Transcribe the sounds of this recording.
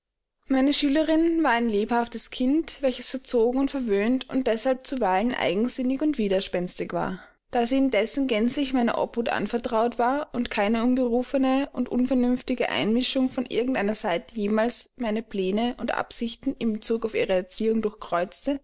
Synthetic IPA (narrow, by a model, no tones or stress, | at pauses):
maɪnəʃyːləʁɪnvaːɐaɪnleːphaftəskʰɪntvɛlçəsfɛɐt͡soːɡŋ̩ʊntfɛɐvøːntʊnt̚d̥ɛshalp̚t͡suvaɪlənʔa̰ɪɡŋ̩z̥ɪnɪçʊntv̥iːdɐʃpɛnstɪçv̥a̰ːɐ | d̥aːziːɪndɛsn̩ɡɛnt͡slɪçmaɪnɐ̰ʔɔ̰puːtʔa̰nfɛɐtʁ̥aʊtv̥aːɐʊntkʰaɪnəʊnbəʁuːfənəʔʊntʔʊnfɛɐnʏnftɪɡə̰ʔa̰ɪnmɪʃʊŋfɔnʔɪ̰ɐɡŋ̩tʔaɪnɐzaɪtə̥jeːmaːlsmaɪnəpl̥ɛːnəʔʊntʔa̰pz̥ɪçtn̩ɪmbət͡suːkaʊfḭːʁəɛɐt͡siːʊŋdʊɐçkʁ̥ɔʏt͡stə